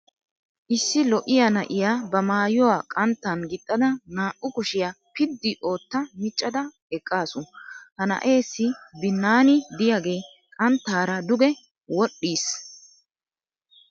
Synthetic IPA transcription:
ʔɪsːɪlɔʔɪjanɐʔɪjaːbɐmaːjɔwaːkʼɐnt̪ːɐnɡɪt̪ʼːɐd̪ɐnaːʔʊkʊʃɪja | pɪd̪ːɪʔo̞ːt̪ːɐmɪt͡ʃʼːɐd̪ɐ | ɛkʼːaːsʊhɐnɐ̰ʔe̞ːsːɪbɪnːaːnɪd̪ɪjaɡe̞ː | kʼɐnt̪ːaːɾɐd̪ʊɡɛ | wɔɗːiːs

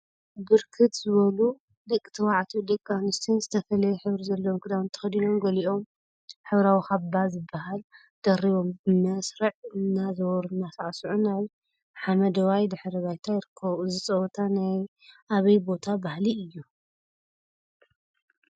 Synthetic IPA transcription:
bɨɾkʰɨt̪zɨβɐlu | d̪ɐkʼːi̥t̪ʰɐwaʕt̪ʰod̪ɐkʼːanɨst̪ʰinzɨt̪ʰɐfɐlɐjɛħɨβɾizɐlːɐwmkʰɨd̪awnt̪ʰɐ̥xɐd̪ino̞mɡɐliʔo̞m | ħɨβɾawixabazɨbːaɦal | d̪̥ɐɾiβo̞mbɨmɐsɾɐʕɨnːazɐwɔɾɨnːasaʔsuʕunaj | ħamɐd̪ɐwajd̪ɨħɾɐβajt̪ʰajɪɾɨkʰːɐβuzɨt͡sʼɐwt̪ʰanaj | ʔaβɐjbo̞t̪ʰabahliɨjːu

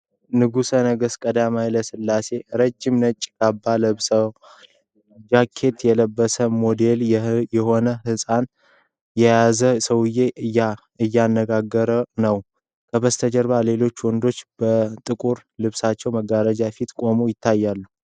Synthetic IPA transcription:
nɨɡusənəɡəskʼəd̪amajləsɨlːase̞ɾəd͡ʒːɪmnət͡ʃʼːkʰabːaləβsəw | d͡ʒakʰːe̞t̪jɛləbːəsəmo̞d̪e̞ljɛho̞nəhɨsʼan | jɛjazəsəwɨjeɨja | ɨjːanːəɡaɡːəɾənəw | kʰəbəst̪ʰəd͡ʒəɾβale̞lo̞t͡ʃːwɔnd̪o̞t͡ʃːbət̪ʼɨkʼuɾlɨβsat͡ʃːɛwməɡaɾəd͡ʒafit̪kʼo̞mojɪt̪ʰːajːalːu

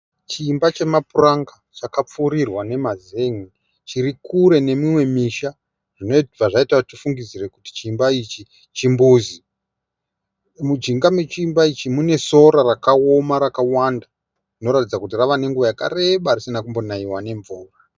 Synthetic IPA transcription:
t͡ʃiːmbat͡ʃe̞mapuraŋɡat͡ʃakap͡fuɾirwane̞mazeŋi | t͡ʃirikuɾe̞ne̞mimwe̞miʃa | ʐ̥ino̞paʐaitwatifuŋɡid͡zire̞kuti̥t͡ʃiːmbait͡ʃi | t͡ʃimbuːzi | mud͡ʒiŋɡame̞t͡ʃiːmbait͡ʃimune̞so̞ɾarakaomaɾakawanda | rino̞ɾatid͡zakutiraʋane̞ŋɡuʋajaka̰re̞ɓarisinakumbo̞naiwane̞ɱvuːra

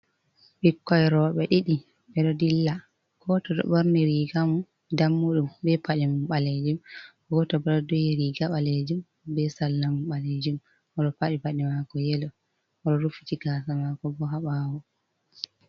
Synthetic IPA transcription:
ɓikːɔjɾɔɓɛɗiɗi | ɓɛɗɔdilːa | kʰɔtɔɗɔ̰ɓoɾniɾiɡamu | damːuɗumbɛpaɗimɓaled͡ʒum | ɔɡɔtɔbɛɗɔdɔjɛɾiɡaɓaled͡ʒum | bɛsalːamuɓaled͡ʒum | ɔɗɔpaɗipaɗimakɔjɛlɔ | ɔɗɔɾufi̥t͡ʃiɡaːsamakɔbɔɦaɓawɔ

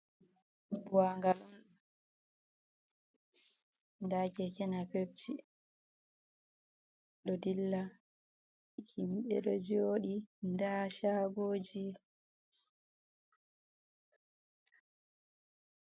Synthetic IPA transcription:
buwaŋɡalɔn | ndakɛkɛnapeb̚t͡ʃi | ɗɔdilːa | kʰimɓɛɗɔd͡ʒoːɗindaʃaɡoːd͡ʒi

